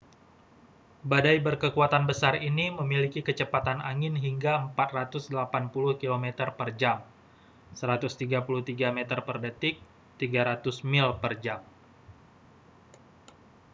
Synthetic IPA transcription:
badajbərkəkuat̪anbəsariniməmilikikət͡ʃəpat̪anaŋɪnɦiŋɡaəmpat̪̚rat̪ʊsdəlapanpulʊhkilomɛt̪ərpərd͡ʒam | səɾat̪ʊst̪iɡapuluht̪iɡamɛt̪ərpərdət̪ɪk̚ | t̪iɡaɾat̪ʊsmɪlpərd͡ʒam

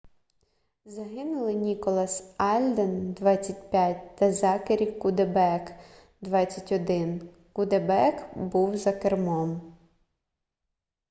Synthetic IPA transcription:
zɐɦɪnʊlˠɪnʲikɔlˠɐsɑlʲd̪end̪ʋɑt͡sʲːɐtʲpʲjatʲt̪ɐzɑkeɾʲikʊd̪ebɛk | d̪ʋɑt͡sʲːɐtʲɔd̪ɪn | kʊd̪ebɛkbuwzɐkermɔm

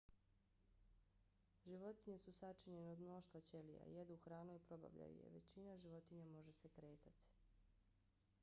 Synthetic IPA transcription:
ʒiʋo̞t̪iɲesusat͡ʃiɲe̞neod̪mnoʃt̪ʋat͡ɕe̞lija̰jed̪uuxɾaːnojpɾo̞ba̰ʋʎa̰jṵjḛʋe̞̰t͡ɕinaʒiʋo̞t̪iɲamo̞ʒese̞kɾe̞ːt̪at̪i̥

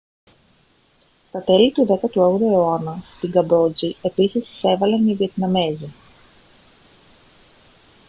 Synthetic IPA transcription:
st̪ɐt̪ɛlit̪uðɛkɐt̪uɔɣd̪ɐioanɐst̪iɡɐbɔd͡ʒiepisissɛvɐleniviet̪nɐmɛzi

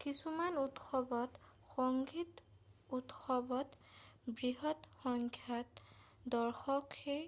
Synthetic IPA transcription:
kisumanutxɔbɔtxɔŋɡitutxɔbɔtbɹiɦɔtxɔŋkʰjat | dɔɹxɔke

